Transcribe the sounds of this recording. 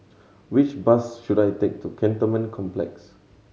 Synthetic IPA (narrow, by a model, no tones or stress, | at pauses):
wit͡ʃbasʃudajtek̚tukʰɛ̃ntəmə̃nkʰɔ̃mplɛ̰ks